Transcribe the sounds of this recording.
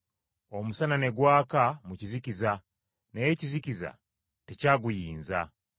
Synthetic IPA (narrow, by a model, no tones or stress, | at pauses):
omusanane̞ɡwaːkamucizikiza | nejeciziciza̰ | tecaːɡujiːnza̰